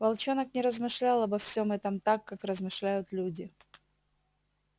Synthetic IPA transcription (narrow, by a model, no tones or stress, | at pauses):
vɐlˠt͡ɕo̞nəknʲɪɾəzmɨʂlʲalˠɐbɐfsʲo̞mɛt̪əmt̪akːakrəzmɨʂlʲæjʊt̪lʲudʲɪ